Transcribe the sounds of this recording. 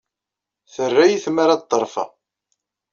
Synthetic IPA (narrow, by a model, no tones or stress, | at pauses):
θərːæjiθmaɾat̪ˤːəɾˤfɑ̰